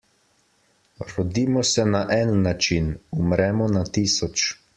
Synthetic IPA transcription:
ɾɔd̪iːmɔsɛnaʔɛnːat͡ʃinumɾɛmɔnat̪iːsɔt͡ʃ

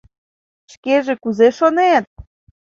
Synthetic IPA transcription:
ʃkeʒekuzeʃonet̪̚

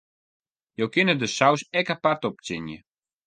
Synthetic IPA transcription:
jowkɪnədəsawsɛkapartɔp̚t͡sɪnjə

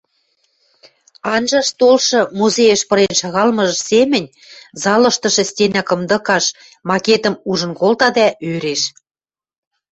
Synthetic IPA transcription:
ɑnʒɑʃt̪olʃɤ̆muzejə̆ʃpɤ̆ɾenʃɑɣɑlmɤ̆ʒə̆ʃsemɘ̆nʲ | zɑlɤ̆ʃt̪ɤ̆ʃɤ̆stʲenɑkɤ̆md̪ɤ̆kɑʃ | mɑket̪ə̆muʒə̆nkolt̪ɑd̪æøɾeʃ

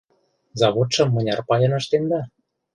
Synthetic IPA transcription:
zɑβot̪ʃɤ̆mːɤ̆nʲɑrpɑjɤ̆nɤ̆ʃt̪end̪ɑ

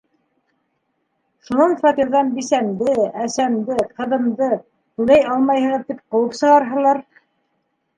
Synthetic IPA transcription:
ʃunɑnfɑt̪iɾðɑnbisæmd̪ɘæsæmd̪ɘqɤ̆ðɤ̆md̪ɤ | t̪ʉlæjʔɑlˠmɑjhɤ̆ʁɤt̪ip̚qɤ̆wɤpsɤ̆ʁɑɾɦɤ̆lˠɑɾ

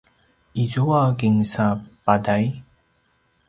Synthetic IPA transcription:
izuakiŋsapadaj

